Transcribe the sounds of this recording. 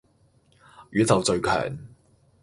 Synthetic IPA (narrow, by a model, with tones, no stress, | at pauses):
jyː˨˥t͡sɐ˨wt͡sɵ˧ɥkʰœ̰ː˨˩ŋ